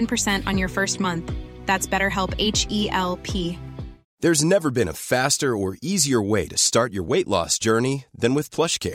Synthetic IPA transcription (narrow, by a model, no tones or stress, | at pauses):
npʰə˞sɛ̃ntn̩jə˞fɜ˞st̚mʌ̃nθðætsb̥ɛɾə˞ɦɛlˠpeɪt͡ʃiʔɛlˠpʰi | ðə˞znɛvə˞bɨ̃nə̰fæstə˞ə˞iziə˞weɪɾɨstɑɹt͡ʃə̰˞weɪʔlɔ̰sd̥ʒ̥ɜ˞niðɨ̃nwɨð̥pʰl̥ʌʃkʰɛ̰ɹ